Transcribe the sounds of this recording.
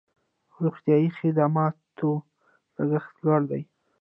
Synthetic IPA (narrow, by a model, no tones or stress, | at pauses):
ɾuɣt̪jɑjixɪd̪amɑt̪o | ləɡaxt̪laɽd̪aj